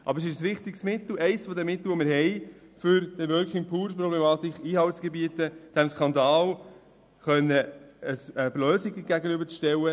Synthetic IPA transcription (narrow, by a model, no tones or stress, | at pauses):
ʔɑ̰bəɾs̬ɪʃəsʋɪχt̪ɪksmɪt̪l̩ɛɪsfɔd̪ɛmːɪt̪l̩ʋomɪɾɦɛɪfʏɾd̥ɛʋœːɾkχɪŋpʰuːɾpɾɔblɛmɑːt̪ɪkχiːhɑltsɡ̥ɛbiətəd̥æmskʰɑnd̪ɑːl | χœnːəəsəblœːsɪɡəɡæɡənybəɾt͡sʃtɛwə